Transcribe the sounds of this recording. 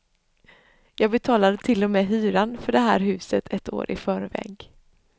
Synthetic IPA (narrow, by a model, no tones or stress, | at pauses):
jɑːɡ̚bɛt̪ʰɑːlad̪ət̪ʰɪlːɔmɛːɦyːɾanfœɖɛɦæ̰ːɾɦʉ̟ːsət̪ʰɛt̪o̰ːɾʔɪ̰fœːɾvɛ̰ːɡ